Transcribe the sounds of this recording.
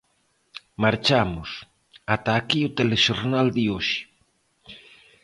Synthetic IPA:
maɾt͡ʃamʊs | at̪aːkiot̪eleʃoɾnald̪ɪoʃɪ̥

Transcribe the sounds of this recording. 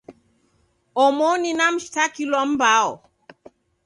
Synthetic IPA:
ɔmɔninam̩ʃi̥takilwam̩baɔ

